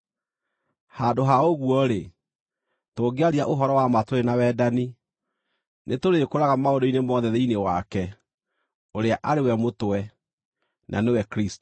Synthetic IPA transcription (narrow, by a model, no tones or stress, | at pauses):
hadoɦaoɣwɔɾe | toɡeaɾiaʔoɦɔɾɔwamatoɾenawɛːdani | nʔetoɾekoɾaɣamaodoinemɔðɛðeinewakɛ | oɾeaʔaɾewɛmotwɛ | nʔa̰newɛkɾisto